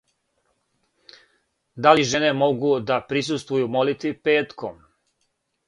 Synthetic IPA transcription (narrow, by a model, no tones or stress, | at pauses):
d̪aliʒene̞mo̞ɡud̪apɾis̬ust̪ʋujumo̞lit̪ʋipe̞ːt̪kʰom